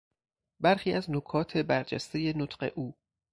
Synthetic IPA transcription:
bæɾxiːʔæznokʰɒːt̪ʰe̞bæɾd͡ʒæ̰st̪e̞je̞not̪ʰɢe̞̰ʔuː

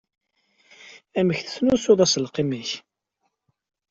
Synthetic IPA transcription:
æməçθə̥θnusʊðˤæsəlqiməç

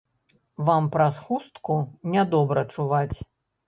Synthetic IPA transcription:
vampɾasxust̪kunʲad̪ɔbɾɐt͡ʂuvat͡sʲ

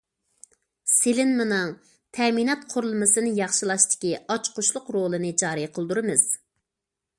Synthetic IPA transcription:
selɪnmɨnɨŋ | t̪ʰɛminɑt̪̚qʰʊɾlˠɨmɨsɨnɨjɑχʃɨlˠɑʃt̪ɪ̥kʲiɑt͡ʃqʰʊʃlˠʊqɾolˠɨnɨd͡ʒɑːɾɨjqʰəlˠd̪uɾɨmɨz̥

